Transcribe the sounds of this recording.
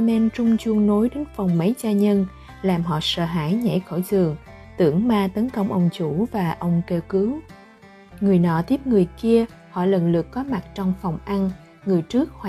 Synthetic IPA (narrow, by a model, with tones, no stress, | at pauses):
mɛ˧nt͡ɕʊ˧ŋ͡mt͡ɕu˧əŋno˨˦jɗe˨˦nfɔ˨˩wŋ͡mːə˨˦jzaː˧ɲə˧n | laː˨˩mɦɔ̰˧˨sə̰ː˧˩ɦaː˧˩jɲɛ̰˧˩jxo˧˩jzɨ˨˩əŋ | t̪ɨ̰˧˩əŋmaː˧t̪ə˨˦nkə˧wŋ͡mʔə˧wŋ͡mt͡ɕu˧˩vaː˨˩ʔə˧wŋ͡mke˧wkɨ˨˦w | ŋɨ˨˩əjnɔ̰˧˨t̪i˦˥əp̚ŋɨ˨˩əjki˧ə | hɔ̰˧˨lə̰˧˨nlɨ̰˨˩əkːɔ˨˦ma˨˩t̚t͡ɕɔ˧wŋ͡mfɔ˨˩wŋ͡mʔa˧n | ŋɨ˨˩əjt͡ɕɨ˦˥ək̚hwa˧